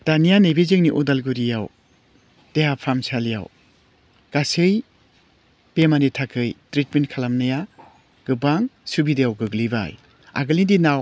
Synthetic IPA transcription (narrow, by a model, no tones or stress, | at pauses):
d̥anijanebezɯŋniʔudalɡuɾijaw | d̥ejapʰamsalija̰w | ɡ̥asɯj | pemanitʰakʰɯjtɾitmentkʰalamnaja | ɡ̥ɯbaŋsubidejawɡɯɡliba̰j | a̰ɡɯlindinaw